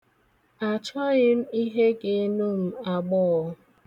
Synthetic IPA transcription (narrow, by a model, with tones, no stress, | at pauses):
a˨t͡ʃɔ˦ɣɪ˦m̩˦i˦ɦe˦ɡe˨˦nu˦m̩˦a˨ɡ͡bɔ˦˨˦